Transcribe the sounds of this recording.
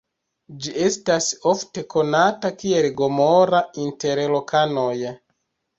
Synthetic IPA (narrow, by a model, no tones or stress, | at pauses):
d͡ʒie̞staso̞fte̞kʰo̞natakie̞lɡo̞moɾainte̞ɾlokʰano̞j